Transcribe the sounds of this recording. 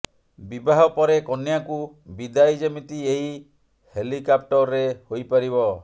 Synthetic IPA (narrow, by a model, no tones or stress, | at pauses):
bibaɦɔpɔɾekɔnjaku | bid̪ajd͡ʒemit̪ieɦi | helikap̚ʈɔɾːehojpaɾibɔ